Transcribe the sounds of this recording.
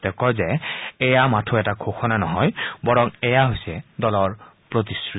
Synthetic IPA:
tɛkɔzɛɛjamatʰuɛtakʰoxʰɔnanɔɦɔjbɔɹɔŋɛjaɦojsɛdɔlɔɹ | pɹot̬isɹ

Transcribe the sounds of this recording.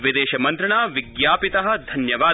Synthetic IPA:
ʋid̪eːʃɐmɐnt̪ɾɐɳaːʋiɡjaːpit̪ɐɦɐ̆d̪ʱɐnjɐʋaː

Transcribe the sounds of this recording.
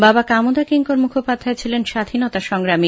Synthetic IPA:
babakamod̪akiŋkoɾmukʰopad̪ʱːaet͡ɕʰilenʃad̪ʱinɔt̪aʃɔŋɾami

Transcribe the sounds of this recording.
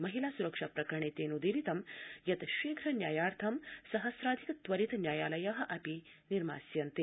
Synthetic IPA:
mɐɦilaːsuɾɐkʂapɾɐkɾɐɳit̪eːnud̪iɾit̪ɐmjɐt̪ɐʃiːkʰɾɐnjaːjaːɾt̪ʰɐmsɐɦɐsɾaːd̪ʱikɐt̪ʋɐɾit̪ɐnjaːjaːlɐjaːɦɐ̆ʔɐpiniɾma̰ːsjɐnt̪i

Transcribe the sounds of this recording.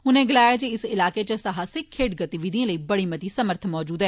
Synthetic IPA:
ʊnẽɡɪlaːjad͡ʒeɪsɪlaːket͡ʃɐsɐɦaːsɪkʰːeːʈ̚ɡɐt̪iʋiːd̪ʱijãləibɐɽimɐt̪isɐməɾt̪ʰmɔːd͡ʒuːd̪ɦɛː

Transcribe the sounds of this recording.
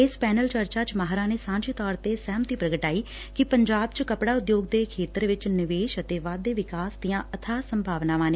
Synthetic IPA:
ɪspɛːnəlt͡ʃəɾt͡ʃaːt͡ʃmaɦɾãːneːsãːɲd͡ʒeːt̪ɔːɾt̪eːsɛːmət̪iːpɾəɡəʈaːiː | kɪpəɲd͡ʒaːbt͡ʃkəpɽaːʊd̪joːɡ̚d̪eːkʰeːt̪əɾʋɪt͡ʃnɪʋeːʃət̪eːʋaːd̪ːeːʋɪkaːsd̪ijãːʔət̪ʰaːsəmbʱaːʋnaːʋãːneː

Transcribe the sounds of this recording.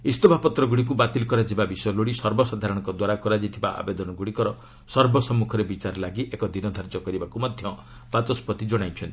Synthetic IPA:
ist̪ɔbʱapɔt̪ɾɔɡuɽik̬ubat̪ilkɔɾad͡ʒibabisɔjɔloɽisɔɾbɔsad̪ʱaɾɔɽ̃ɔŋkɔd̪waɾakɔɾad͡ʒit̪ʰibaʔa̰bed̪ɔnɔɡuɽikɔɾɔ | sɔɾbʱɔsɔmːukʰɔɾebit͡ʃaɾlaɡiʔekɔd̪inɔd̪ʱaɾd͡ʒɔkɔɾibakumɔd̪ʱjɔ | bat̪ɔspɔt̪id͡ʒɔɽ̃ajt͡ʃʰɔnt̪i̥

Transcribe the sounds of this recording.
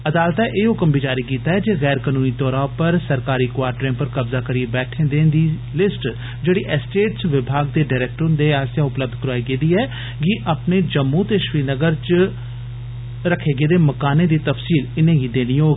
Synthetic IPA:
əd̪aːlt̪aʔeːɦʊkəmbiːd͡ʒaːɾiːkiːt̪aːɦɛːd͡ʒeːɣɛːɾkənuːniːt̪ɔːɾãːpəɾsəɾkaːɾiːkwaːɾʈɾẽːpəɾkəbzaːkəɾiːebɛːʈʰẽːd̪ẽːnd̪iː | lɪsʈ | d͡ʒeːɽiːʔɛsʈeːʈsʋɪbʱaːɡd̪eːɖaːɪɾɛːk̚ʈɾʊnd̪eːaːsjaːʊpləb̚d̪kəɾaːiɡeːd̪iːɛː | ɡiʔapneːd͡ʒəmːũːt̪eːʃʋiːnəɡəɾt͡ʃ | ɾəkʰeːɡeːd̪eːməkaːnẽːd̪iːt̪əfsiːlɪnẽːɡiːd̪eːniːɦoːɡiː

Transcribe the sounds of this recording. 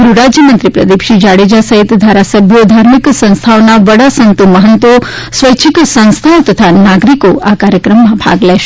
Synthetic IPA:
ɡɾuɾad͡ʒjəmənt̪ɾipɾə̰d̪ipʃid͡ʒaɽed͡ʒasəɦit̪d̪ʱaɾasəbʱjod̪ʱaɾmiksə̃ñst̪ʰaonaʋəɽasənt̪uməɦənt̪o | sʋəjt͡ʃʰiksə̃ñst̪ʰaot̪ət̪ʰanaɡɾikoakaɾjəkɾəmːãbʱa̰ɡlɛʃe

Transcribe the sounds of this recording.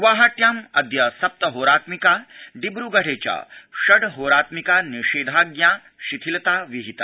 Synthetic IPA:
ʋaːɦaʈ̪jaːmɐd̪jɐsɐp̚t̪ɐɦoːɾaːt̪mikaːɖibɾuɡɐɽeːt͡ʃa̰ːʃɐɽɦoːɾaːt̪mikaːniʃeːd̪ʱaːɡjaː | ʃit̪ʰilt̪aːʋiɦit̪a̰

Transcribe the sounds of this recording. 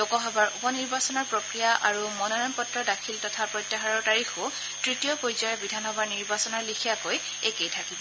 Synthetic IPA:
lokɔɦɔbaɹupɔniɹbasɔnɔɹpɹokɹijaʔaɹumɔnɔnɔnpɔtɹɔdakʰiltɔtʰapɹɔjtːaɦaɹɔɹtaɹixo | tɹitijɔkojzɔɹɛbidʱanxɔbaɹniɹbasɔnɔɹlikʰijakoj | ekejtʰakibɔ

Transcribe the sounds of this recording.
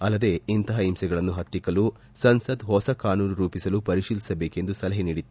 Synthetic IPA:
ɐlːɐd̪e̞int̪ɐɦɐimsɛɡɐɭɐnːuɦɐt̪ːikɐlu | sɐnsɐd̪ɦɔsɐkaːnuːnuɾuːpisɐlupɐɾiʃiːlisɐbeːke̞nd̪usɐlɐɦeniːɽit̪ːu

